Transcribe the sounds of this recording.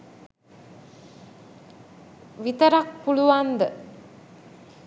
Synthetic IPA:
ʋit̪əɾak̚puluʋand̪ə

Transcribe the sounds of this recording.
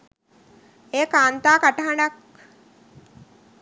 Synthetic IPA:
eːkaːnt̪aːkaʈəɦaɳak

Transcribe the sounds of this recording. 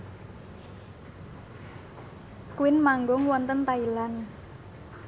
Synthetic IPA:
kuwɪnmaŋɡʊŋwɔnt̪ənt̪ailan

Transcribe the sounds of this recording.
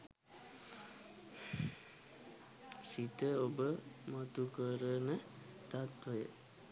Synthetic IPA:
sit̪əobəmot̪ukəɾənət̪at̪ʋəjə̰

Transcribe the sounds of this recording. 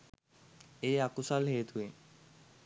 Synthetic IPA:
eakusalɦeːt̪ʰue

